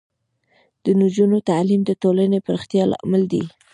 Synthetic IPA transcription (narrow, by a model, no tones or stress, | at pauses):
d̪̥ənʊd͡ʒunot̪alimd̪ət̪olanepəɾɪxt̪jɑlɑ̰mald̪ḭ